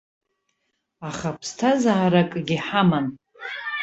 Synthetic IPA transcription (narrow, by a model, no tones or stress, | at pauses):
aχapʰstʰazaːɾakʼɡʲiħaman